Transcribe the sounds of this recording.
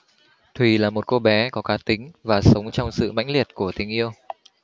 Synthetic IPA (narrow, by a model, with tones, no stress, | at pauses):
t̪ʰwi˨˩laː˨˩mo˨˩t̚ko˧ɓɛ˨˦kɔ˨˦kaː˨˦t̪ï˨˦ŋ̟vaː˨˩sə˨˦wŋ͡mt͡ɕɔ˧wŋ͡msɨ̰˧˨ma̰˧˥jŋ̟li˨˩ət̚ku˧˩ət̪ï˨˩˦ŋ̟ʔi˧əw